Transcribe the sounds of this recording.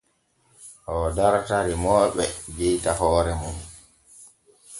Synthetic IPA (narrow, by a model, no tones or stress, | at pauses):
ʔɔdaɾtaɾimɔːɓɛd͡ʒɛjtahɔːɾɛmun